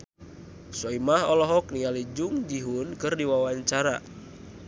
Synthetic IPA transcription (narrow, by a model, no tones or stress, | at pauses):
sɔimahɔlɔɦɔk̚nialid͡ʒuŋd͡ʒiɦunkɨrdiwawaɲt͡ʃaɾa̰